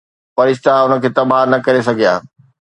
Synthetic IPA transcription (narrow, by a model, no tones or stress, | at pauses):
pɐɾɪʃt̪aʊnə̆kʰeːt̪ɐbʱaːnɐkɐɾesɐɡʱija̰ː